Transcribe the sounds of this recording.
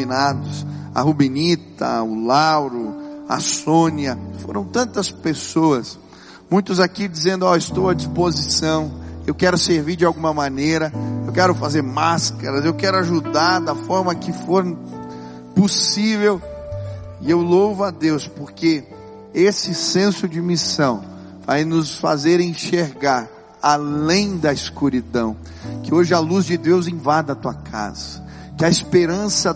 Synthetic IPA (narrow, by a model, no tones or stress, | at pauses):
inad̪ʊsɐ̰hubinit̪ɐ̰ʊlawɾʊa̰sõniɐfo̰ɾɐ̃w̃t̪ɐ̃nt̪ɐspesoɐs | mũj̃t̪ʊzakid͡ʒizẽnd̪ʊɔɪst̪owɐd͡ʒispozisɐ̃w̃ewkɛɾʊseɾviɾd͡ʒɪawɡũmɐmanejɾɐewkɛɾʊfazeɾmaskɐɾɐzewkɛɾʊaʒud̪aɾd̪ɐfɔɾmɐkɪfoɾ | posivew | ɪewlowvʊad̪ewspoɾke | esɪsẽsʊd͡ʒɪmisɐ̃w̃ | vajnʊsfa̰zeɾẽʃeɾɡaɾ | alẽj̃d̪ɐiskuɾid̪ɐ̰̃w̃ | kɪoʒɪaluzd͡ʒɪd̪ewzẽvad̪ɐt̪uɐkʰa̰z̥ɐ | kɪɐispeɾɐ̃sɐ